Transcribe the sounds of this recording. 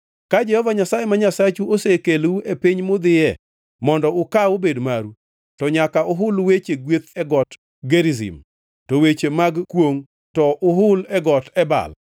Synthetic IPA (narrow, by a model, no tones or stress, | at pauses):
kad͡ʒɛhɔvaɲasajemaɲasat͡ʃuosekeluepiɲmʊd̪ɪjɛ | mɔndɔʊkaobedmaɾu | tɔɲakaʊɦʊlwet͡ʃeɡwet̪ɛɡɔt | ɡeɾizḭm | towet͡ʃemaɡkwoŋ | tɔʔʊɦʊlɛɡɔtɛba̰l